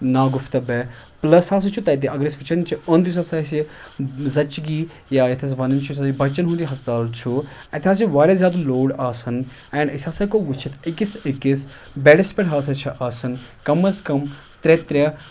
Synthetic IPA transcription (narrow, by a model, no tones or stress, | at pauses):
naːɡʊft̪ɐbɛ | plɐsaːs̬ɐt͡ʃʰut̪ɐt̪̬iʔɐɡɾesfit͡ʃɐnt͡ʃʰiond̪is̬aːsaːsizɐt͡ʃɡi | jaːjɐt̪ʰes̬ʋɐnɐnt͡ʃʰusaibɐt͡ʃɐnɦũːnd̪iɦɐst̪aːlt͡ʃʰuɐt̪ʰʲaːs̬iʋaːɾʲezʲjaːd̪loːɽaːsɐn | ɛːɳɖɐsʲaːsɐkoːʋut͡ʃʰit̪ʰɪkisɪkis | beɽɐspʲeʈɦaːsɐt͡ʃʰɐʔaːsɐnkɐmɐskɐm | t̪ɾet̪ɾʲa